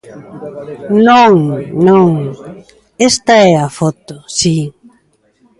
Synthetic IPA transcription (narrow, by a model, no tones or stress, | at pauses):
nõŋnõŋ | ɛst̪ɐɛafɔt̪ʊsi